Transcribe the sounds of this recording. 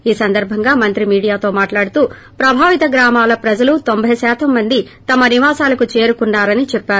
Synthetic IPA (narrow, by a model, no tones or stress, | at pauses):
iːsɐnd̪ɐɾbʱɐŋɡaːmɐnt̪ɾimiːɽijaːt̪o̞ːmaːʈlaːɽut̪uː | pɾɐbʱaːʋit̪ɐɡɾaːmaːlɐpɾɐd͡ʒɐlut̪o̞mbʱɐjɐsɛːt̪ʰɐmːɐnd̪i | t̪ɐmɐniʋaːsaːlɐkut͡ʃe̞ːɾukuɳːaːɾɐnit͡ʃɛpːaːɾu